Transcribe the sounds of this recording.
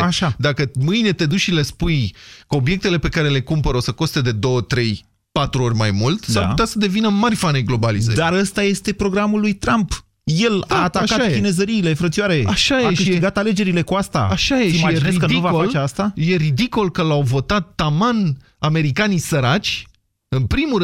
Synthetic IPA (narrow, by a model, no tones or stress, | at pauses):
aʃad̪akəmɨjne̞t̪e̞d̪uʃile̞spujkəo̞bije̞k̚t̪e̞le̞pe̞kaɾe̞le̞kumpəɾosəko̞st̪e̞d̪e̞d̪o̞wət̪ɾe̞j | pat̪ɾuo̞rʲmajmult̪saput̪easəd̪e̞vinəmarʲfanejɡlo̞balizə̰d̪aɾəst̪aje̞st̪e̞pɾo̞ɡɾamulːujt̪ɾamp | je̞la̰ːt̪aakatajeine̞zəɾiːle̞fɾət̪siaɾe̞aʃajeaʃɨʃit̪ɡat̪ale̞d͡ʒe̞ɾile̞kuast̪a̰aʃajeimiaeineisdkənuvaoalt͡ʃeast̪aje̞rid̪iko̞lkəlawvo̞t̪at̪ːaman | ame̞ɾikanisəɾat͡ʃʲ | ɨnpɾimu